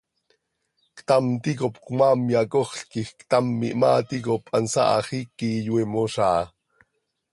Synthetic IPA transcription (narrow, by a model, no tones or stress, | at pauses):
kt̪amt̪ikopkumaːmjakoχɬkixkt̪amːiʔmaːt̪ikopɑnsɑ̰ʔɑχikijwemoʃɑː